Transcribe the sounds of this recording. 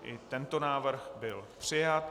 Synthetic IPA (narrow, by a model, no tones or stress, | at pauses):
ʔɪt̪ɛnt̪onaːvr̩xbɪlpr̥ɪjat̪